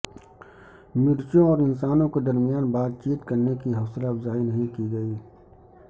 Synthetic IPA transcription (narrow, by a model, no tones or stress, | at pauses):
mɪɾt͡ʃõɔːɾɪnsaːnõked̪ɐɾmijaːnbaːt̪̚t͡ʃiːt̪kɐɾnekiɦɐːslabzaːinɐɦĩkiɡɐiː